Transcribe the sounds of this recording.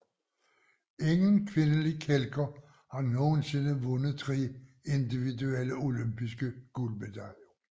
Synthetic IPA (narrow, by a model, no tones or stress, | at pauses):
e̝ŋənkʰʋe̝nəlikʰelɡ̥ɐ | hɑ̈no̝ːn̩se̝nəʋɔ̽nəð̩ˠt͡sʰʁi | e̝nd̥iʋidueləo̝lømb̥isɡ̥əɡ̥ulb̥ed̥ʰæljo